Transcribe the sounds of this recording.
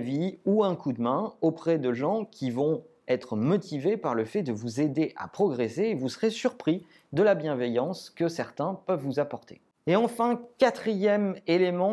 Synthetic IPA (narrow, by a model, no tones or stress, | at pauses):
viuɛ̃kud̪mɛ̃opχɛd̪əʒɑ̃kʲʰivɔ̃ | ɛt̪χəmɔt̪ʰivepaʁləfɛd̪əvuzed̪eʔa̰pχɔɡʁeseːvusəʁesyʁpχi | d̪əlabjɛ̃vɛjɑ̃skəsɛʁt̪ɛ̃pœvːuzapɔʁt̪ʰe̥ | eɑ̃fɛ̃kat̪χijɛmelemɑ̃